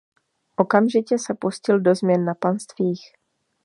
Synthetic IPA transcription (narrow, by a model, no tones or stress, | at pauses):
ʔo̞kamʒɪcɛsɛpuscɪldo̞zmɲɛnːapanst̪viːx